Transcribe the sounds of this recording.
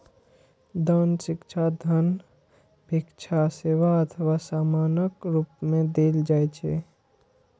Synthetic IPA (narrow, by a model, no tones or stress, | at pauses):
d̪ənsɪkt͡ʃʰad̪ʱən | bʱikt͡ʃʰaseːʋaət̪ʰəwasaːmaːnəkɾuːpmẽd̪eːld͡ʒaːjt͡ʃʰḛ